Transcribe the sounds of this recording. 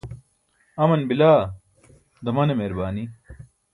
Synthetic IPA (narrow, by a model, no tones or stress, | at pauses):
ɐmɐnbilaː | d̪ɐmɐnemeːɾbaːni